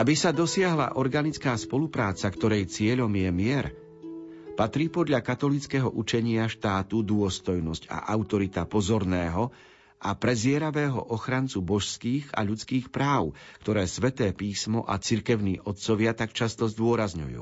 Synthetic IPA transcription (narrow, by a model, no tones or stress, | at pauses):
ʔabisad̪ɔsɪaɦla̰ʔɔɾɡanit͡skaːspɔlupɾaːt͡sakt̪ɔɾɛjt͡sɪɛʎɔmjɛmɪɛɾ | pat̪ɾiːpɔd̪ʎakat̪ɔlit͡skɛɦɔ̰ʔut͡ʃɛɲɪaʃt̪aːt̪ud̪ʊɔst̪ɔjnɔsca̰ʔaʊt̪ɔɾit̪apɔzɔɾnɛːɦɔ | ʔapɾɛzɪɛɾaʋɛːɦɔ̰ʔɔxɾant͡subɔʃskiːɣa̰ʎut͡skiːxpɾaːʊkt̪ɔɾɛːsʋɛt̪ɛːpiːsmɔʔat͡siɾkɛʊniːʔɔt̪̚t͡sɔʋɪat̪akt͡ʃast̪ɔzd̪ʊɔɾazɲṵjṵː